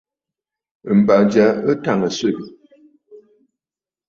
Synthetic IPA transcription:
m̩˨ba˨d͡ʒa˨˦ə˦ta˦˨ŋə˨se˦˨ɡə˨

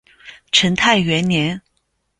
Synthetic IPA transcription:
ʈ͡ʂʰə˧˥nt̪ʰa˥˩ɪɥɛ˧˥nnjɛ˧˥n

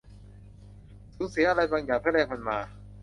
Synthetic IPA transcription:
suː˨˩˦nsi˨˦ɐʔa˧ɾa˧jbaː˧ŋjaː˨˩t̪ʰa˥˩ɾɛː˧ŋma˧nmaː˧

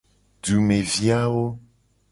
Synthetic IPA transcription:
ɖu˨me˨vi˦a˦wo˦

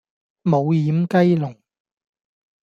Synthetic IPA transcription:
mo˨˧wjiː˨˥mkɐ˥jlʊ˨˩ŋ

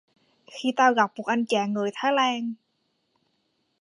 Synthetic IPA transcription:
xi˧t̪aː˧wɣa˨˩p̚ku˨˩k̚ʔa˧jnt͡ɕaː˨˩ŋːɨ˨˩əjt̪ʰaː˨˦jlaː˧ŋ

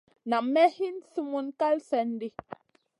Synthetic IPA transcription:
na˨mɛ˦hi˦nsi˦mu˦nka˦lsɛ˨n˦di˦

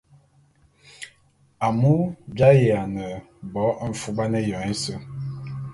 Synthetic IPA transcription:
a˨mu˦bja˦je˨a˨nə˨ | bɔ˨˦˨fu˦ɓa˦nə˦jɔ˨e˦sə˦

